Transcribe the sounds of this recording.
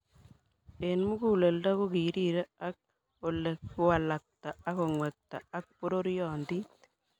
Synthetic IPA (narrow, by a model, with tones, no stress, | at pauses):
e˨nmu˦ku˦le˨lda˦ku˦ki˨ɾi˦ɾe˦a˦k̚ | o˨le˨kːʊ˦wa˨la˨k̚ta˨a˦ko˨ŋwɛ˨k̚ta˨a˦k̚po˦ɾo˦ɾjɔ˨ndi˦t̪